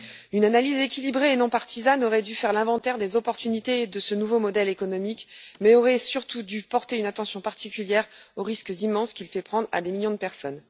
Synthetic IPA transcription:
ynanalizekʲilibʁeːnɔ̃paʁt̪izanɔʁɛd̪yfɛʁlɛ̃vɑ̃t̪ɛʁd̪ezɔpɔʁt̪ynit̪ed̪əsənuvomɔd̪ɛlekɔnɔmikmɛɔʁɛsyʁt̪ud̪ypɔʁt̪eynat̪ɑ̃sjɔ̃paʁt̪ikʲyljɛʁoʁiskəzimːɑ̃skʲilfɛpχɑ̃d̪ʁa̰d̪emiljɔ̃d̪əpɛʁsɔn

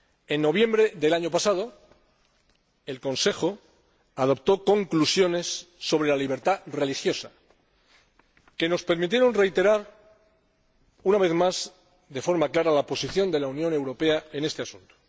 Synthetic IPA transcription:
e̞nːo̞β̞je̞mbɾe̞ðe̞laɲo̞pasað̞o̞ | elko̞nse̞xo̞ | aðo̞pt̪o̞ko̞ŋklusjo̞ne̞sːo̞β̞ɾe̞laliβ̞e̞ɾt̪are̞lixjo̞sa | ke̞no̞spe̞ɾmit̪je̞ɾo̞nre̞jt̪e̞ɾaɾ | unaβe̞θmaz | ðe̞fo̞ɾmaklaɾalapo̞siθjo̞nd̪e̞launjõ̞ne̞wɾo̞pe̞ae̞ne̞st̪e̞asunt̪o̥

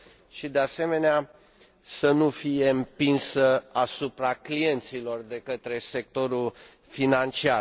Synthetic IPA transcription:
ʃid̪ease̞me̞nea | sənufije̞ɨmpinsəasupɾaklie̞nt̪silo̞rd̪e̞kət̪ɾe̞se̞k̚t̪o̞ɾul | finant͡ʃiar

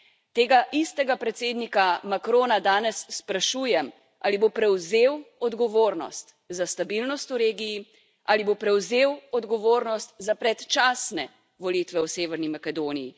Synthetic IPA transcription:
t̪eːɡaʔist̪ɛɡapɾɛt̪seːd̪nikamakɾoːnad̪aːnɛsːpɾaʃuːjɛm | ʔa̰libopɾɛwzeːwɔd̪ɡɔʋoːɾnɔ̰st̪ | zast̪abilnɔst̪uɾeːɡiji | ʔalibopɾɛwzeːwɔd̪ɡɔʋoːɾnɔst̪zapɾɛt̪t͡ʃaːsnɛ | ʋɔlit̪ʋɛwseːʋɛɾnimakɛd̪oːnijḭ

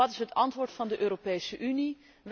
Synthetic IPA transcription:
ɑtɪsɦətɑntʋʊːɹtfɑndəʔøːropejsəʔyni | ʋ

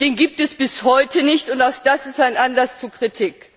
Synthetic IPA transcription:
d̥eːnɡiːp̚tɛsb̥ɪshɔʏtənɪçtʊntaʊxd̥asɪstaɪnʔanlast͡suɐkʁ̥itʰɪk

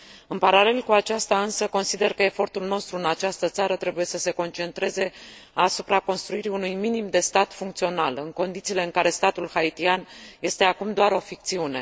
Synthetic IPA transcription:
ɨnpaɾale̞lkuat͡ʃast̪aɨnsəko̞nsid̪e̞rkəe̞fo̞rt̪ulno̞st̪ɾuɨnat͡ʃast̪ət̪saɾət̪ɾe̞buje̞səse̞ko̞nt͡ʃe̞nt̪ɾe̞ze̞asupɾako̞nst̪ɾuiɾiunujminimd̪e̞st̪at̪fuŋk̚t̪sio̞nalɨŋko̞nd̪it̪siːle̞ɨŋkaɾe̞st̪at̪ulhait̪ianje̞st̪e̞akumd̪oaɾo̞fik̚t̪siune̞̰

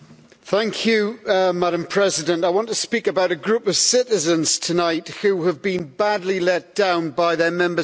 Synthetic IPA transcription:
θæ̃ŋkʰjʉmaɾə̃mpʰɹ̥ɛzɪdə̃ntaɪwɒ̃ntʰəspiˑkəbaʊɾəɡɹʉˑpəv̥sɪtɪzə̃nz̥tʰənaɪthʉəvbĩnbadˡlilɛt̚d̥ãʊ̃nbaɪðəmɛ̃mbə

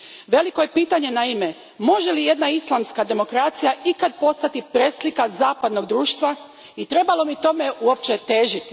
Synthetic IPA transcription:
ʋe̞liko̞je̞piːt̪aɲe̞naime̞ | mo̞ʒelije̞d̪naislˠamskad̪e̞mo̞kɾat̪sijaʔikad̪̚po̞st̪at̪ipɾeslikazaːpad̪no̞ɡd̪ɾuːʃt̪ʋa | it̪ɾe̞balo̞mit̪o̞meuo̞p̚t͡ʃet̪e̞ːʒit̪i

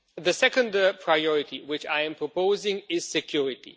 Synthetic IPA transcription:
ðəsɛkə̃ndə˞pʰɹ̥aɪɔɹɪtiwɪt͡ʃaɪɨ̃mpʰɹ̥ɔpoʊzɪ̃ŋɪz̥sɛkʰj̥uɹɪtḭ

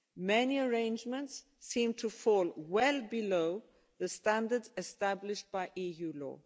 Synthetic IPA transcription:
mɛniəɹẽnd͡ʒmə̃ntsː | ĩmtʰufɔlwɛlbiloʊ | ðəstãndədzɛstablɪʃt̚b̥aɪʔijuːlɔ̰ː

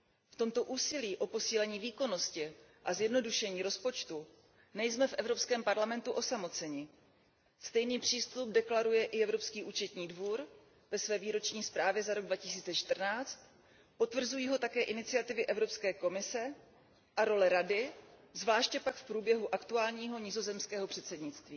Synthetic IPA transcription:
ft̪o̞mt̪o̞ʔuːsɪliːʔo̞po̞siːlɛɲiːviːko̞no̞scɪ | ʔazjɛdno̞duʃɛɲiːɾo̞spo̞t͡ʃt̪u | nɛjsmɛfʔɛvɾo̞pskɛːmpaɾlamɛnt̪uʔo̞samo̞t͡sɛɲɪ | st̪ɛjniːpr̝̥iːst̪up̚dɛklaɾujɛʔɪɛvɾo̞pskiːʔuːt͡ʃɛt̪ɲiːdvuːɾ | vɛsvɛːviːɾo̞t͡ʃɲiːspɾaːvjɛzaɾo̞ɡ̚dvacɪs̬iːt͡sɛt͡ʃt̪r̩naːt͡st̪ | po̞t̪vr̩zujiːɦo̞t̪akɛːʔɪnɪt͡sɪat̪ɪvɪʔɛvɾo̞pskɛːko̞mɪsɛ | ʔaɾo̞lɛɾadɪzvlaːʃcɛpakfpɾuːbjɛɦuʔakt̪uaːlɲiːɦo̞ɲɪzo̞zɛmskɛːɦo̞pr̝̥ɛt̪sɛdɲɪt͡st̪viː

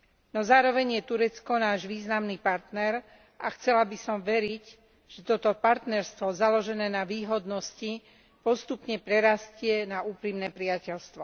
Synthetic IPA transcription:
nɔzaːɾɔʋɛɲjɛt̪uɾɛt͡skɔnaːʒʋiːznamnipaɾt̪nɛɾ | ʔaxt͡sɛlabisɔmʋɛɾic | ʒ̥ɛt̪ɔt̪ɔpaɾt̪nɛɾst̪ʋɔzalɔʒɛnɛːnaʋiːɦɔd̪nɔsci | pɔst̪upɲɛpɾɛɾascɪɛnauːpɾimnɛːpɾɪacɛlst̪ʋɔ

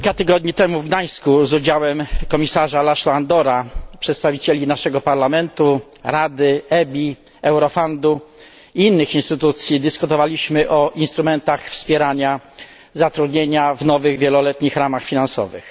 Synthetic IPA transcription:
ikat̪ɘɡɔd̪̚ɲit̪ɛmuvɡd̪aj̃skuzud͡ʑawɛmkɔmʲisaʐalaʂwaand̪ɔɾapʂɛt̪st̪avʲit͡ɕelʲinaʂɛɡɔpaɾlamɛnt̪u | ɾad̪ɘɛbʲi | ɛwɾɔfɔnd̪u | iinːɘxinst̪ɘt̪ut̪sʲjid̪ɘskut̪ɔvalʲiɕmɘʔɔʔinst̪ɾumɛnt̪axfspʲjɛɾaɲa | zat̪ɾud̪ɲeɲavnɔvɘɣvʲjelɔlɛt̪ɲixɾamaxfʲinansɔ̰vɘ̰x

